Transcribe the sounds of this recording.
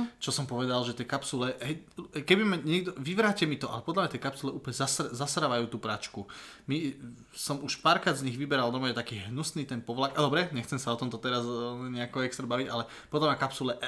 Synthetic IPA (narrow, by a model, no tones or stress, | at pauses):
t͡ʃɔsɔmpɔʋɛd̪alʒɛt̪ɪɛkapsulɛɦɛjkɛbimaɲɛɡd̪ɔʋiʋɾaːcɛmit̪ɔʔa̰lɛpɔd̪lamɲat̪ɛjkapsulɛʔuːplɲɛzasɾzasɾaʋajuːt̪uːpɾat͡ʃku | mi | sɔmuʃpaːɾkɾaːd̪zɲiɣʋibɛɾald̪ɔmɔjɛt̪akiːɦnusniːt̪ɛnpɔʋlakʔad̪ɔbɾɛɲɛxt͡sɛmsaɔt̪ɔmt̪ɔt̪ɛɾazɲɛakɔɛkst̪ɾɛbaʋiɟalɛ | pɔd̪lamɲakapsulɛ